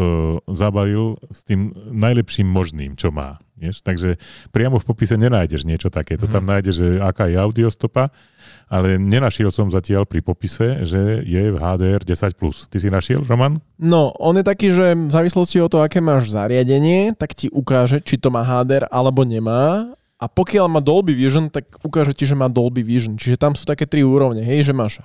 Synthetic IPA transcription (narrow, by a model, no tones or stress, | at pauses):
ɔzabaʋilst̪iːmnajlɛpʃiːmːɔʒnḭːmt͡ʃɔma̰ːʋɪɛʃt̪aɡʒɛpɾɪamɔfpɔpisɛɲɛnaːjɟɛʒɲɪɛt͡ʃɔt̪akɛːt̪ɔt̪amnaːjɟɛʒɛakaːjɛaʊd̪iɔst̪ɔpa | alɛɲɛnaʃɪɛlsɔmzacɪalpɾipɔpisɛʒɛjɛvɦaːd̪ɛːɛɾɟɛsacplṵst̪isinaʃɪɛ̰lɾɔman | nɔɔnjɛt̪akiːʒɛzaːʋislɔsciɔt̪ɔɦɔakɛːmaːʒza̰ɾɪaɟɛɲɪɛt̪akciʔukaːʒɛt͡ʃit̪ɔmaːɦaːd̪ɛɾʔalɛbɔɲɛmaː | apɔkɪalmaːd̪ɔlbiʋiʒnt̪akukaːʒɛciʒɛmaːd̪ɔlbiʋiʒənt͡ʃiʒɛt̪amsuːt̪akɛːt̪ɾiuːɾɔʊɲɛɦɛjʒɛmaːʃ